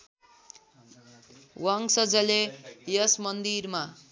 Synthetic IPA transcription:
waŋsʌd͡zʌlejʌsmʌnd̪irma

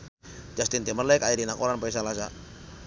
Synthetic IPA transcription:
d͡ʒast̪int̪imərlɛkaidinakoɾanpais̬alasa

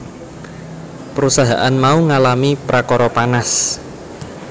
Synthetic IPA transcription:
pəɾusaɦa̰ʔanmauŋalamipɾakɔɾɔpanas

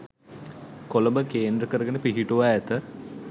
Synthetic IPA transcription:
koləbəkeːnd̪ɾəkəɾəɡenepiɦiʈuʋaæt̪ə

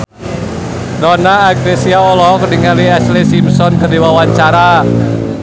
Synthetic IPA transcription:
dɔnaːɡɾesiaɔlɔɔkədiŋaliaslisimsɔnkərdiwawaɲt͡ʃaɾa

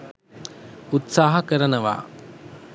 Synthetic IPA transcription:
ut̪saːɦɐkəɾənəʋa̰ː

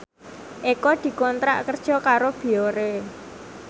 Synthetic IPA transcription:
ʔekɔd̪̥i̤kɔnt̪ɾa̰ʔkərd̥ʒ̥ɔ̤kaɾob̥i̤oɾe

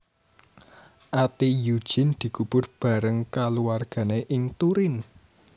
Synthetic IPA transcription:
ʔat̪ijud̥ʒ̥i̤nd̪̥i̤kub̥ʊ̤rb̥a̤ɾəŋkaluwarɡ̥ä̤neʔɪŋt̪uɾɪn

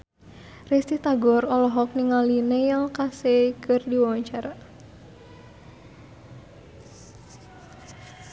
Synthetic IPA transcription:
rist̪iht̪aɡɔrɔlɔɦɔk̚niŋalinejalkasekɨrdiwawaɲt͡ʃaɾa

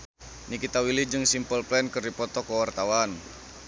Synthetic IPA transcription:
nikit̪awilid͡ʒɨŋsimpəlplɛnkɨrdipɔt̪ɔkəwart̪awan

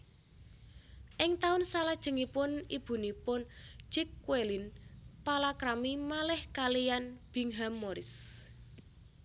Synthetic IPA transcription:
ʔɪŋt̪aʊnsalad̥ʒ̥ə̤ŋipʊnib̥ṳnipʊn̥d͡ʒ̥ɛkːwelinpalakɾamimalɛhkalijanb̥i̤ŋɦamːoɾɪs

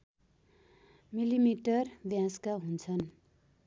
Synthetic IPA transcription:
milimiʈʌrbjãskaɦunt͡sʰʌn

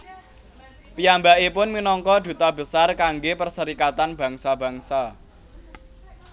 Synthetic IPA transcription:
pijambaʔipʊnminɔŋkɔd̪̥ṳt̪ab̥ə̤sarkaŋɡepərsəɾikat̪anb̥ä̤ŋsab̥a̤ŋsa

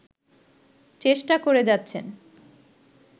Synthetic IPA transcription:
t͡ɕeʃʈakoɾed͡ʑatːʰḛn

